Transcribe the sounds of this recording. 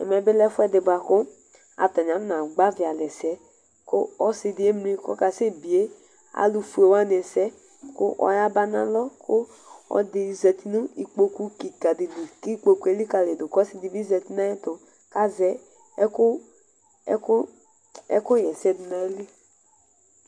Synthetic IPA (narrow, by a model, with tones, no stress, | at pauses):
ɛ̰˨mɛ˨bɪ˦lɛ˦fʊ˦ɛ˦dɪ˨ba˨kʊ˦ | a̰˨tɔ˨ɲ˨a˨˦na˨ɡ͡ba˦vɪ˨a˨lɛ˨sɛ˦ | kʊ˦ɔ˦sɪ˧dɪ˨˦e˦m˦ɾi˦kɔ̰˦ka˨se˦˨bi˨e˦ | a̰˨lu˨fu˨˦e˨wa˦n˨ɛ˨sɛ˦ | kʊ˦ʔɔ̰˨˦ja˦ba˦na̰˨lɔ˦kʊ˦ | ɔ̰˨˦dɪ˨zɛ˨ti˦nu˦i˨k͡po˨ku˦ki˨ka˨dɪ˨dʊ˨ki˦k͡po˨ku˦e˨˦li˦ka˨le˨dʊ˨kɔ˦sɪ˨di˨bi˦zɛ˨ti˦na˦ɪ˦tʊ˨ | ka˦zɛ˦ | kʊ˦ | kʊ˦ | ɛ˦kʊ˦jɛ˨sɛ˦dɪ˨na˨˦li˦